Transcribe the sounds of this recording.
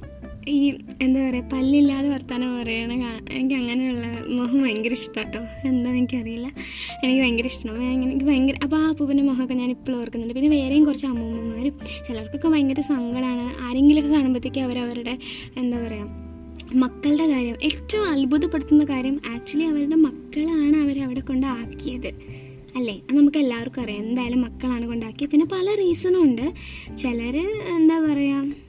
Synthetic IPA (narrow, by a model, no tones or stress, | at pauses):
iː | end̪aːpɐrɐjapɐlːilːaːðeʋɐrt̪aːnɐpɐrɐjaːɳɨkaːenikʲːɐŋːɐnejuɭːɐmoɦɐʋɐŋɡɐɾiʂʈoʈːoe̞nd̪aːenikʲːɨpɐrɐjilːɐ | enikʲːɨʋeŋɡɐɾiʂʈɐɳɐmŋːɐkːɨʋɐŋɡɐɾʔɐpːoapːopinːemoɦkːɐɲaːnipːoːɭoːrkunːuɳːɖɨpinːeʋe̞ːɾejumkurɐt͡ɕːɨɐmuɣmɐmːaːɾumt͡ɕilɐɐrkːokːeʋɐjŋɡɐɾusɐŋɡɐɽaːɳɨʔaːɾe̞ŋɡilokːɨkaːɳumbɐt̪ːikʲːaːʋɐɾɐʋɐɾuɽe̞ | end̪aːpɐrɐjaːm | mɐkːɐɭɖe̞kaːɾjɐmʔeʈːɐɐlbuðɐpːeɽut̪ːunːɐkaːɾjɐmaːk̚t͡ɕuɐlːiɐʋɐɾuɽe̞mɐkːɐɭaːɳɨɐʋɐɾɐʋiɽe̞kːo̞ɳɖɨaːkːijɐðɨ | ɐlːe̞ːɐnɐmukːɨe̞lːaːʋɐrkːɨpɐrɐjaend̪aːjalumːɐkːɐɭaːɳɨko̞ɳɖaːkːijɐpinːe̞pɐlɐriːsɐnɐmuɳɖɨt͡ɕe̞lɐɾɨend̪aːpɐrɐjaːm